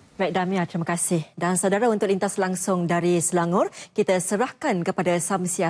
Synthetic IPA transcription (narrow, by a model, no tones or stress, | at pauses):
bɛk̚damiat̪əɾiməkasɪhdansawdaɾaunt̪ʊk̚lint̪aslaŋsʊŋdaɾisəlaŋʊrkit̪asəɾahkankəpadasamsia